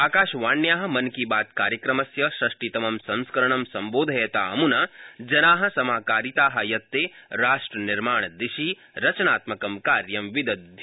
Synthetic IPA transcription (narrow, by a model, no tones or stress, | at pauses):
aːkaːʃʋaːnjaːɦɐ̆mɐnkibaːt̪kaːɾjɐkɾɐmɐsjɐʃɾɐʂʈit̪ɐmɐmsɐ̃nskɐɾɐɳɐmsɐmboːd̪ʱɐjɐt̪aːɐmunɐd͡ʒɐnaːɦɐ̆sɐmaːkaːɾit̪aːɦɐjɐt̪ːeːɾaːʂʈɾɐniɾmaːɳ̃d̪iʃi | ɾɐt͡ʃɐnaːt̪mɐkɐmkaːɾjɐmʋid̪ɐ